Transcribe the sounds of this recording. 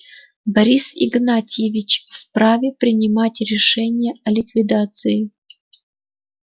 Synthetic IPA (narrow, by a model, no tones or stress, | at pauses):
bɐɾʲisɪ̰ɡnatʲjɪvʲɪt͡ɕfpɾavʲɪpɾʲɪnʲɪmatʲɾʲɪʂɛnʲɪjəɐlʲɪkvʲɪd̪at̪sɨɪ